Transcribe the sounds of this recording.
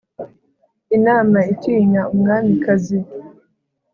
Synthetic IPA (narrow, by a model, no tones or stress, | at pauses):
inaːmaitiːɲaumŋaːmikazi